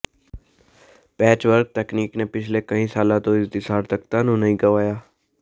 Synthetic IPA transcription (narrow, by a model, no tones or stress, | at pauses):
pɛːt͡ʃʋəɾk̚t̪ɛːkniːkneːpɪt͡ʃʰleːkəĩːsaːlãːt̪õːɪst̪ɪsaːɾt̪əkt̪ãːnũːnəɦĩːɡəʋaːjaː